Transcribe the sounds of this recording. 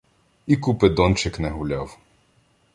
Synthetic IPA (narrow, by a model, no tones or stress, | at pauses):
ikupɪd̪ɔnt͡ʃɪknɛɦʊlʲaw